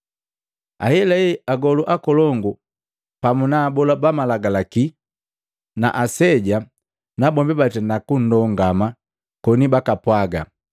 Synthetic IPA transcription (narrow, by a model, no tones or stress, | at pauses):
a̰hɛlɛɛaɡɔluʔakɔlɔŋɡu | pamunaːbɔlabamalaɡalaki | na̰ʔasɛɟa | nabɔmbibatɛnakun̩dɔŋɡama | kɔnibakapwaɡa